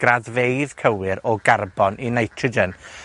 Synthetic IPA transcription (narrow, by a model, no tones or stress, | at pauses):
ɡ̥raðvejðkʰəwɪɾɔɡarbɔnʔinajtʰrəd͡ʒən